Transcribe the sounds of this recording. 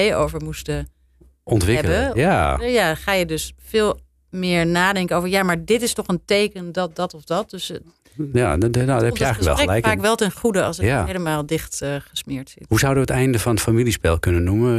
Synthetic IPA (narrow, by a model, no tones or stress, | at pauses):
ejo̰wvəɹmustə | ɔntʋɪbəjajaχaːjədøsfɪːlˠ | mɪːɹnaːdɛŋkənowvəɹjamaːɹdɪtɪstɔχəntejkəndɑt̚dɑtɔfdɑt̚døs | jaadɛpjəɛjxələɛ̰lˠlɛjkfaːkʋɛlˠtɛnχudəɑ̰səjaejləmaːlˠdɪχtχəsmɪːɹtsɪtɦuzawdəʋəətɛjndəvɑnətfamilispɛlˠkɵnənːumə